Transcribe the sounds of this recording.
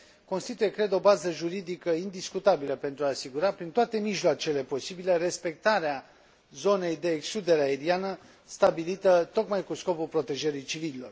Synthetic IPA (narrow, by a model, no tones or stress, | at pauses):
ko̞nst̪it̪uje̞kɾe̞d̪o̞bazəʒuɾid̪ikəind̪iskut̪abiləpe̞nt̪ɾuaːsiɡuɾapɾint̪oat̪e̞miʃloat͡ʃe̞le̞po̞sibileɾe̞spe̞k̚t̪aɾea | zo̞ne̞jd̪e̞ːkslud̪e̞ɾeaeɾianə | st̪abilit̪ət̪o̞kmajkusko̞pulpɾo̞t̪e̞ʒeɾijt͡ʃivililo̞̰r